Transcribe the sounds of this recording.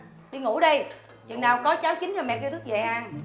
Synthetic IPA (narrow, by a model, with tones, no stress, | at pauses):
ɗi˧ŋu˧˩˥ɗə˧j | t͡ɕwḭ˨nːaː˨˩wkɔ˨˦t͡ɕaː˨˦wt͡ɕi˨˦ŋ̟zo˨˩jmɛ̰˨˧˨kɗt̪ʰk̚zə̰˧˨˩ʔa˧n